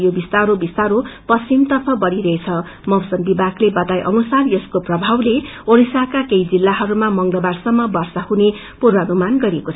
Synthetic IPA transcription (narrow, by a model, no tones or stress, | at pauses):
jobist̪aɾobist̪aɾopʌst͡simt̪ʌrpʰʌbʌɾiɾʌɦet͡sʰʌ | mʌwsʌmbibaklebʌt̪ajʔʌnusarjʌskoprʌbʱawle | oɾisakakejd͡zilːaɦʌɾumamʌŋlʌbarsʌmːʌbʌrsahune | purʋʌnumanɡʌɾiekot͡sʰ